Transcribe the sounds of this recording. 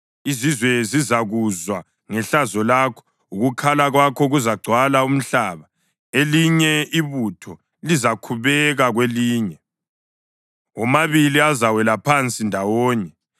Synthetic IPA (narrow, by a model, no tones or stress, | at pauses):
izizwɛzizaɣuzwa | ŋɛɬazɔlakʰɔ̥ | uɣukʰalaɣwakʰɔɣuzaɡ͡ǀʱwalaum̩ɬaːβa | eliɲɛiβutʰɔ | lizakʰuβɛɣaɣweliːɲɛ | ɔmaβiliazawɛlapʰant͡sʼindʱawɔːɲɛ